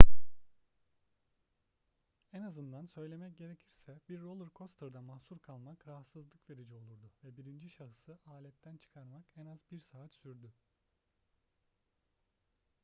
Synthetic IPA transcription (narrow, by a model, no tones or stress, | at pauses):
ɛnazɯnd̪ansø̞jlʲe̞mɛc̚ɟe̞ɾecʰiɾsɛbiɾːolˠɯɾkʰo̞st̪ʰɯɾd̪amahsuɾkʰalˠmakɾaɦat̪sɯzlˠɯkve̞ɾid͡ʒɛo̞lˠuɾd̪ʊvɛbiɾind͡ʒiʃaɦɯsɯʔaːlʲɛt̪ʰːænt͡ʃʰɯ̥kʰaɾmakɛnazbiɾsaːt̪syɾd̪y